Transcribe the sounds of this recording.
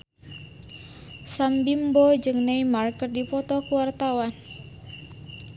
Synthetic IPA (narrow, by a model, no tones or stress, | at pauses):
sambimbɔd͡ʒɨŋnɛjmarkɨrdipɔt̪ɔkuwart̪awan